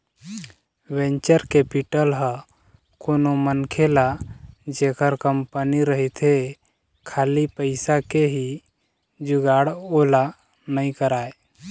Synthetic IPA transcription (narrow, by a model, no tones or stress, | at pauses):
wẽɲt͡ʃəɾkepiʈəlɦə | konomənkʰelad͡ʒekəɾkəmpəniɾəɦit̪ʰe | kʰaːlipəɪsakeɦi | d͡ʒuɡaɽola | nəĩkəɾaːe